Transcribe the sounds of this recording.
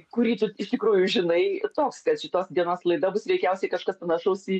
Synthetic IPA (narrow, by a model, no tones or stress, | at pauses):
kʊɾʲiːt̪ʊɪʃt̪ʲɪkɾuːjʊʒʲɪnɐɪt̪oːkskɐt̪ʃʲɪt̪oːsd̪ʲiɛnoːslˠɐɪd̪ɐbʊsɾʲɛɪkʲɛʊsʲɛɪkɐʃkɐspɐnɐʃɐʊsʲi